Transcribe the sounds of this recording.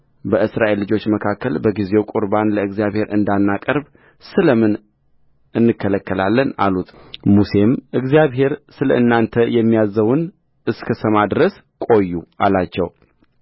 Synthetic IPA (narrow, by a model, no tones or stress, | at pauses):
bəʔɨsɾaʔe̞lːɨd͡ʒo̞t͡ʃːməkʰakʰːəlbəɡize̞wkʼuɾbanləɨɡzijaβhe̞ɾʔɨnd̪anːakʼəɾb | sɨləmɨn | ɨnːɨkʰːələkʰːəlalːəna̰lut̪ʼmuse̞mʔɨɡzijaβɦe̞ɾsɨləɨnːant̪ʰəjɛmːijazːəwɨn | ɨskʰəsəmad̪ɾəs | kʼo̞jːuʔalat͡ʃːɛw